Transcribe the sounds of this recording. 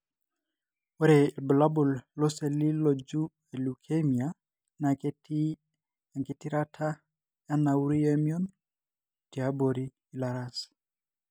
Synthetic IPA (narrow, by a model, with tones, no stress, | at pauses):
wɔ˦ɾei˨lbə˨la˦bu˨llɔ˦se˨li˦lo˨d͡ʒu˦ | e˨lu˨kʰe˦mi˨a | na˨kti | a˨ŋke˨ti˦ɾa˦tʰa˦ | ja˦na˨u˦ɾi˦ɛmjɔ˦n | ti˨abo˨ɾi˦ | i˨laɾas